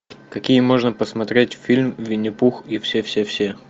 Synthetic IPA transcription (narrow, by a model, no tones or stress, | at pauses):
kɐkʲijəmo̞ʐnəpəsmɐt̪ɾʲetʲfʲilʲmvʲɪnʲɪpuxifsʲefsʲefsʲe